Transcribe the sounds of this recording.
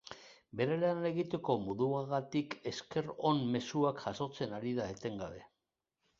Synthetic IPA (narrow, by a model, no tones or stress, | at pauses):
be̞ɾe̞lane̞ɣit̪e̞ko̞muðuaɣat̪ike̞ske̞ɾo̞nme̞suakʝaso̞t͡se̞naɾiðae̞t̪e̞ŋɡa̰βe̞